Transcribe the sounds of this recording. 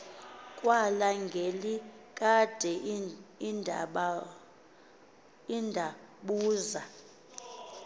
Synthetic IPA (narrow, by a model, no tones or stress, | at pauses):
kʼwalaŋɡʱelikʼad̥ʱɛinɓ | indʱaɓuːza